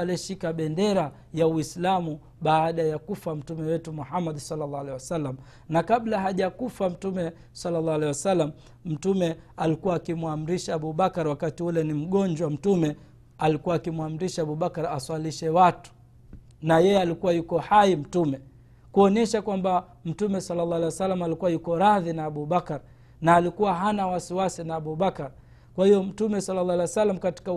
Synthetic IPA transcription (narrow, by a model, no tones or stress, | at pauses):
alɛʃikaɓɛndɛɾa | jawislamu | ɓaːɗajakufam̩tumɛwɛtumuhamːaɗsalːalːaalɛwasalːam̩ | nakaɓlaɦaʄakufam̩tumɛ | salːalaalɛiwasalːam̩ | m̩tumɛalikuwaːkimwam̩ɾiʃaːɓuɓakaɾwakatiulɛnim̩ɠɔɲd͡ʒwam̩tumɛ | alikuwaːkimwam̩ɾiʃaaɓuɓakaɾaswaliʃɛwatu̥ | najɛjɛalikuwajukɔhaim̩tumɛ | kuɔnɛʃakwamba | m̩tumɛsalːalɑalejwasalːamalikuwajukɔɾaðinaːɓuɓakaɾ | naːlikuwaɦanawasiwasinaːɓuɓakaɾ | kwahijɔm̩tumɛsalːalːalawasalːam̩kati̥ka